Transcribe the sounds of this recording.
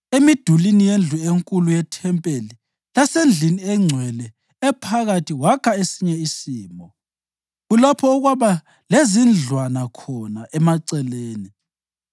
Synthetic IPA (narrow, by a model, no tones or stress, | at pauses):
emid̥ʱulinijend͡ɮʱueŋkʼulujɛtʰɛmpʼeli | lasend͡ɮʱiniɛŋ͡ǀʱwɛlɛː | pʰaɣatʰiwakʰaesiɲɛisiːmbʱɔ | ɣulapʰɔɔɣwaβa | lezind͡ɮʱwanakʰɔnaʔɛmaǀɛleːni